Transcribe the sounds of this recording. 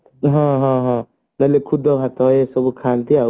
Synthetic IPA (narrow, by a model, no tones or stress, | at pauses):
ɦɔ̃ɦɔ̃ɦɔ̃ | nʌlekʰud̪ʱɔbʱat̪ɔesʌbukʰant̪ʰia